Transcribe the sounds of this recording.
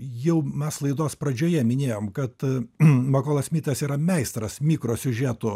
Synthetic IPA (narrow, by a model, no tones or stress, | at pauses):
jɛʊmʲɛslˠɐɪd̪oːspɾɐd͡ʒʲoːjɛmʲɪnʲeːjoːmkɐt̪moːkoːlˠɐsmʲiːt̪ɐsiːɾɐmʲɛɪst̪ɾɐsmʲiːkɾoːsʲʊʒʲæːt̪ʊ